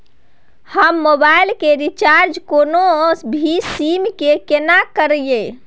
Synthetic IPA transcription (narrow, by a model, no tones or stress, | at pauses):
həmːobailkeɾit͡ʃaɾd͡ʒkonosbʱisimkekenakəɾje